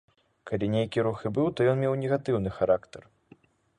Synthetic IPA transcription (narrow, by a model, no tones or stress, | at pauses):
kalʲinʲejkʲiɾuxɨbɨwt̪ɔjɔnmʲewnʲɛɣat̪ɨwnɨxaɾakt̪ɐr